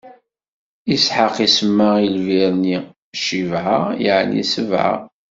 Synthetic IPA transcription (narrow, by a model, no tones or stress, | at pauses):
isħaqisəmːailviɾni | ʃivʕajəʕnḭsəvʕa̰